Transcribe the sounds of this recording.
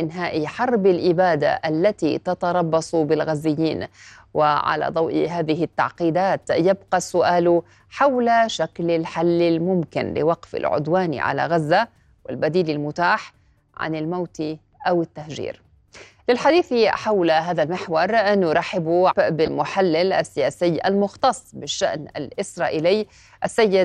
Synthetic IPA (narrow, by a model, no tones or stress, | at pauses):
ʔɪnɦaːʔiħɑɾˤbɪlʔɪbaːd̪a̰ʔalːat̪ḭt̪ɑt̪ɑɾˤɑbːɑsˤbɪlɣazːɪjːiːn | wɪʕa̰la̰d̪ˤɑwʔḭɦaːðɪɦɪt̪ːɑ̰ʕqiːd̪aːt̪jabqɑsʊʔaːlʊ | ħawlaʃaklɪlħalːɪlmʊmkɪnlɪ̰wɑqfɪ̰lʕʊ̰d̪waːn̰ʕa̰la̰ɣazːa | wɪ̰lbad̪iːlɪlmʊt̪aːħ | ʕa̰nɪlmawt̪i | ʔawɪt̪ːahʒḭːɾ | lɪlħad̪iːθiħawlaɦaːðalmɪħwɑɾˤʔnːjʊɾˤɑħɪbubɪlmʊħalːɪlʔasːɪjaːsɪːa̰lmʊxt̪ɑsˤːbɪʃːaʔna̰lʔɪsɾˤɑːʔiːlɪjː | ʔasːajːɪ